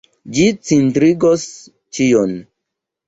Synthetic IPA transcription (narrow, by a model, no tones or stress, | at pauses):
d͡ʒit͡sintɾiɡos | t͡ʃijon